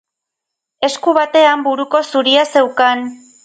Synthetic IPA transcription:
e̞skuβat̪e̞ambuɾuko̞suɾiase̞wkan

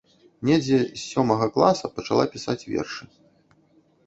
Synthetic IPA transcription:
nʲed͡zʲɛisːʲɔmɐɣɐklˠasɐpɐt͡ʂalˠapʲisat͡sʲvʲɛ̰rʂɨ

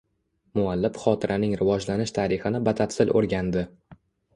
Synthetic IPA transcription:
mʊalːɪfχɒt̪ʰɪɾʔanɪŋɾɪvɒd͡ʒlanɪʃt̪ʰaɾɪχɪnɪbat̪ʰat̪sɪlʔo̰ɾɡʲand̪ɪ

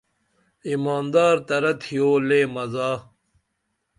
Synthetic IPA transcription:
imaːnd̪aːɾt̪ɐɾɐt̪ʰijoːleːmɐzaː

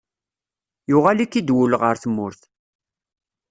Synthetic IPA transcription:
jʊʁalikːid̪wʊləʁəɾθmːʊɾθ

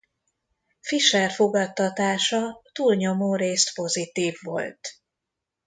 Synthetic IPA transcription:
fiʃɛrfoɡɒt̪ːɒt̪aːʃɒt̪uːlɲo̞moːɾeːst̪po̞zit̪iːvːo̞̰lt̪

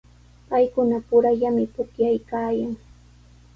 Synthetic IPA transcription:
pajkʊnapʊɾaʎamɪpʊkjajkaːjaŋ

